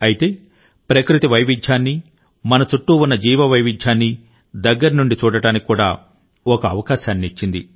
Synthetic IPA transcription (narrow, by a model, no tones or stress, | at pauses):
ɐjit̪e̞ː | pɾɐkɾit̪iʋɐjʋid͡ʒt͡ʃaːnːi | mɐnɐt͡ʃuʈːuunːɐd͡ʒiːʋɐʋɐjʋid͡ʒaːnːi | d̪ɐɡːɐɾɐnuɳɖit͡ʃuːɽɐʈaːnikikuːɽa̰ː | ɔkɐːʋɐkaːʃaːnːiit͡ʃːind̪i